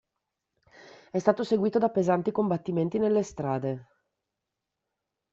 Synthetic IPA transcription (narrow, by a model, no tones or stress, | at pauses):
ɛst̪aːt̪oseɡwiːt̪od̪apezant̪ikombat̪ːiment̪inelːest̪ɾaːd̪e